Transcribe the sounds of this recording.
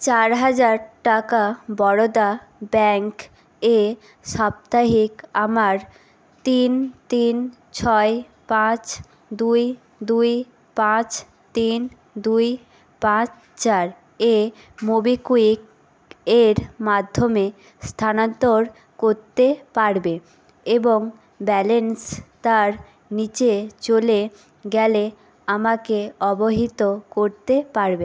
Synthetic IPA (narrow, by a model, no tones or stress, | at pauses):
t͡ɕaɾɦad͡ʑaɾʈakabɔɽod̪a | bɛŋk | e | ʃab̚t̪aɦikamaɾ | t̪int̪in | t͡ɕʰɔe | pãt͡ɕ | d̪uj | d̪uj | pãt͡ɕ | t̪in | d̪uj | pãt͡ɕ | t͡ɕaɾ | e | mobikuik | eɾmad̪ʱːome | st̪ʰanont̪oɾ | koɾt̪epaɾbe | eboŋ | bɛlenst̪aɾ | nit͡ɕet͡ɕole | ɡɛle | amakeɔboɦit̪okoɾt̪epaɾbe